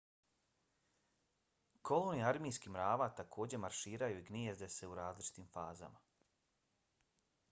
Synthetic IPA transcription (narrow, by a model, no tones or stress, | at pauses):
kʰo̞loniaɾmiːskimɾaːʋat̪akʰo̞ːd͡ʑe̞maɾʃiːɾajuiɡniezd̪e̞se̞uɾaːzlit͡ʃi̥t̪iːmfaːza̰ma